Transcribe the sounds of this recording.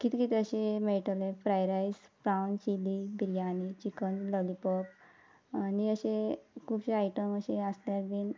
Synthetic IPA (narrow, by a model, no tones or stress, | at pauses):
kit̪ikit̪əɕemeɭʈəlefɾajɾajsbɾawnt͡ɕilibiɾijanit͡ɕikənləlipɔp | aniəɕekʰubɕeajʈəməɕeasljaɾbiːn